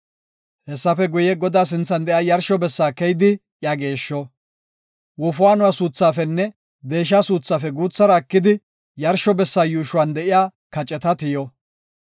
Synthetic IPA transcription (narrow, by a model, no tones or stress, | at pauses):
hɛsːɐfɛɡʊjɛɡɔd̪aːs̬ɪnt͡sːɐnd̪ɛʔjaːjɐɾʃɔbɛsːaːkɛjd̪ɪ | jaɡe̞ːʃːɔ | wɔfʊwaːnʊwasuːt͡sːaːfɛnːɛ | d̪e̞ːʃ̬aːsuːt͡sːaːfɛɡuːt͡sːɐɾɐːkːɪd̪ɪ | jɐɾʃɔbɛsːaːjuːʃʊwand̪ɛʔɪjaːkɐt͡ʃʼɛt̪ɐt̪ɪjɔ